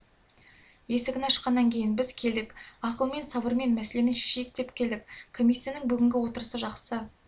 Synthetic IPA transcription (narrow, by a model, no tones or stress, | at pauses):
je̞sɪɡʲɪnɑʃə̥qːɑnːɑŋkʲʰe̞jɪnbɪzkʲʰe̞ld̪ɪkɑqəlˠme̞nsɑbəɾme̞nmæsele̞nɪŋʃe̥ʃeɪk̚t̪e̞pkʲʰe̞ld̪ɪkkʰo̞mʲijsːijanəŋbʏɡʲɪŋɡʲɪwo̞t̪əɾəsəʒɑqsə